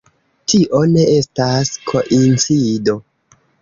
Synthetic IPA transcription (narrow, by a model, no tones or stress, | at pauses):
tʰiʔo̞ne̞e̞staskʰo̞ʔint͡sido̞